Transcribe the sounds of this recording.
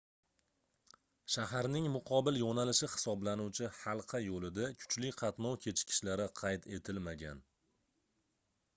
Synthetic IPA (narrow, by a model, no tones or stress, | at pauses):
ʃahaɾnɪŋmʊqʰɒbɪljɒnalɪʃɪhɪ̥sɒblanuwt͡ʃʰɪhɑlˠqʰɑjolɪd̪akʲʰʊ̥t͡ʃlɪqʰɑt̪nɒwkʲʰe̞t͡ʃʰkʲʰɪ̥ʃlaɾɪqʰɑjt̪ʰe̞t̪ʰɪlmaɡʲa̰n